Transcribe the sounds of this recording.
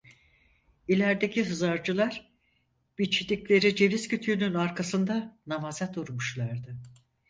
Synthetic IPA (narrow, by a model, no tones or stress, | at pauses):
ilʲæɾd̪e̞cʰiɦɯzaɾd͡ʒɯlˠaɾ | b̥it͡ʃʰid̪iclʲe̞ɾid͡ʒe̞viz̥cʰyt̪ʰyːnynaɾkʰasɯnd̪anamazad̪uɾmuʃlˠaɾd̪ɯ